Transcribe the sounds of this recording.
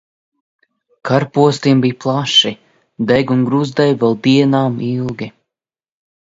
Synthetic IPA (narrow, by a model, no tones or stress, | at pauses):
kʰaɾpuɔst̪iɛmbijplˠaʃi | d̪ɛɡuŋɡɾuzd̪ɛjvɛlˠd̪iɛnaːmilˠɡʲi